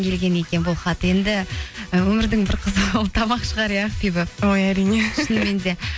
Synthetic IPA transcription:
ŋkʲʰe̞lɡʲe̞ne̞kʲe̞nbolˠχɑt̪ːəje̞nd̪ɪwɵmɪɾd̪ɪŋbɪɾqʰəzət̪ʰɑmɑqʃəʁɑɾijɑqfibɪojæɾineʃənme̞nd̪e̞

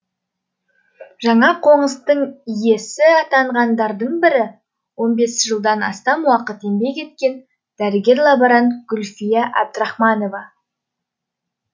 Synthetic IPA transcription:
ʒɑɴɑqʰo̞ɴəst̪əɴije̞sɪɑt̪ɑɴʁɑnd̪ɑɾd̪əɴbɪɾɪ | wo̞nbe̞sʒəlˠd̪ɑnɑ̰st̪ɑmwɑqət̪e̞mbe̞kʲe̞t̪̚kʲe̞n | d̪̥æɾɪɡʲe̞ɾlˠɑbɑɾɑnɡ̥ʊlʲfijɑʔæ̰b̚d̪ɾɑχmɑno̞vɑ

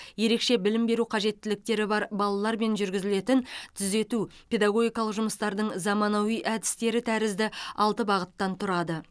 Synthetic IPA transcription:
je̞ɾe̞kʃe̞bɪlɪmbe̞ɾuqʰɑʒe̞t̪ːɪlɪk̚t̪e̞ɾɪbɑɾbɑlˠɑlˠɑɾme̞nʒʏɾɡʲɪzɪle̞t̪ɪnt̪ʰʏze̞t̪upʰʲe̞d̪ɑɡo̞ɡʲijkɑlˠəqʒʊməst̪ɑɾd̪əɴzɑmɑnɑwijʔæd̪ɪst̪e̞ɾɪt̪ʰæɾɪzd̪ɪɑlˠt̪əbɑʁət̪ːɑnt̪ʰʊɾɑd̪ə

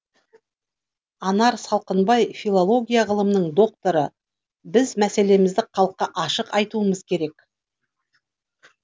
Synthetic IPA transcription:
ɑnɑɾsɑlˠqənbɑjfʲilˠolˠo̞ɡʲijaʁəlˠəmnəɴd̪o̞k̚t̪oɾə | bɪzmæse̞le̞mɪzd̪ɪqʰɑlˠəqːɑʔɑʃəqɑjt̪uəməzkʲʰe̞ɾe̞k

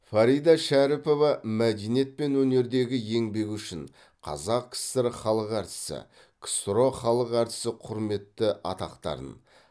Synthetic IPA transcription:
fɑɾijd̪ɑʃæɾɪpo̞vɑmæd̪ejnije̞t̪̚pe̞nwɵne̞ɾd̪e̞ɡʲɪje̞ŋbe̞kʲʏʃɪɴ | qʰɑ̰zɑqkʲʰɪ̥st̪eɾχɑlˠəqæɾt̪ɪ̥sɪ̰ | kʰst̪ɾo̞χɑlˠəqæɾt̪ɪ̥sɪqʰʊɾme̞t̪ːɪʔɑ̰t̪ɑqt̪ɑ̰ɾə̰n

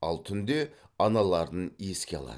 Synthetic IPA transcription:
ɑ̰lˠt̪ʰʏnd̪e̞ɑnɑlˠɑɾd̪əne̞skʲe̞ɑ̰lˠɑ̰d̪ə

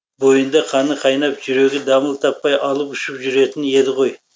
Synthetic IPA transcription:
bo̞jənd̪ɑqʰɑnəqʰɑjnɑpʒʏɾe̞ɡʲɪd̪ɑməlˠt̪ʰɑpːɑjʔɑlˠəpʏʃɪpʒʏɾe̞t̪ɪne̞d̪ɪqʰo̞j

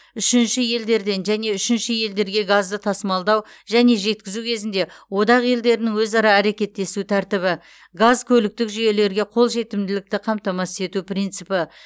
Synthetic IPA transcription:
ʏʃɪnʃɪje̞ld̪e̞ɾd̪e̞nʒæne̞ʏʃɪnʃɪje̞ld̪e̞ɾɡʲe̞ɡazd̪ət̪ʰɑsəmɑlˠd̪ɑw | ʒæne̞ʒe̞t̪̚kʲɪzukʲʰe̞zɪnd̪e̞wo̞d̪ɑʁje̞ld̪e̞ɾɪnɪŋwɵzɑɾɑæɾe̞kʲe̞t̪ːe̞sut̪ʰæɾt̪ɪβɪ | ɡazkʲʰɵlɪk̚t̪ɪkʒyje̞le̞ɾɡʲe̞qʰo̞lˠʒe̞t̪ɪmd̪ɪlɪk̚t̪ɪqʰɑmt̪ɑmɑse̞t̪uprijnt̪sɨpɪ

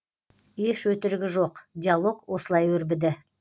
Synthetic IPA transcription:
eʃwɵt̪ɪɾɪɡʲɪʒo̞qd̪ʲijalˠo̞ɡwo̞səlˠɑjwɵɾbɪd̪ɪ

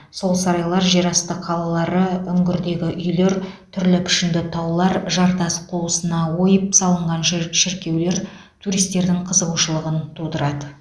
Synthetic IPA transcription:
so̞lˠsɑɾɑjlˠɑɾʒeɾɑst̪əqʰːɑlˠɑlˠɑɾəʏŋɡʲɪɾd̪e̞ɡʲɪʔʏjle̞ɾt̪ʰʏɾlɪpʰɪ̥ʃɪnd̪ɪt̪ʰɑwlˠɑɾʒɑɾt̪ɑsqʰulˠəsənɑwo̞jəp̚sɑlˠəɴʁɑnʃʃɪɾkʲe̞wle̞ɾ | t̪ʰuɾijst̪ːe̞ɾd̪ɪŋqʰəzəʁuʃəlˠəʁənt̪ʰud̪əɾɑd̪ə

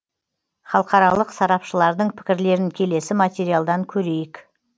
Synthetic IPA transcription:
χɑlˠəqɑɾɑlˠəqsɑɾɑpʃəlˠɑɾd̪əɴpʰɪ̥kʲɪɾle̞ɾɪŋkʲʰe̞le̞sɪmat̪ʲeɾijalˠd̪ɑŋkʲʰɵɾe̞jɪk

